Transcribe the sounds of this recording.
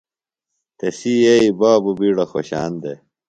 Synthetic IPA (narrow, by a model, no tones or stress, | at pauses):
t̪esijeibaːbubiɽɐxo̰ɕa̰ːnd̪e